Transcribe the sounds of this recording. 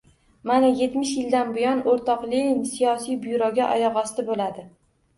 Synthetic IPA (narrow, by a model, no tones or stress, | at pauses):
manaje̞t̪mɪʃjɪld̪anbʊjɒnoɾt̪ʰɒqlɪnsijɒsijbʊjɾɒɡʲaʔɒ̰jɒʁɒslɪbolad̪ɪ